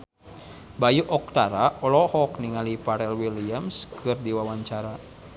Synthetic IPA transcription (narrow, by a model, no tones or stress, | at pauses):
bajuʔɔk̚t̪aɾaɔlɔhɔkniŋalipaɾɛlwiliamskʰɨrdiwawaɲt͡ʃaɾa